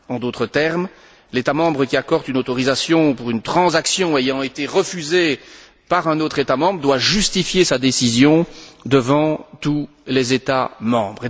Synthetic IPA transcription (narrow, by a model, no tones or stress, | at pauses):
ɑ̃d̪ot̪χət̪ɛʁm | let̪amɑ̃bʁəkʲiakɔʁd̪ynot̪ɔʁizasjɔ̃puʁynt̪χɑ̃zaksjɔ̃ejɑ̃et̪eʁəfyze | paʁɛ̃not̪χet̪amɑ̃bʁəd̪waʒyst̪ifjesad̪esizjɔ̃d̪əvɑ̃t̪u | lɛzet̪amɑ̰̃bʁe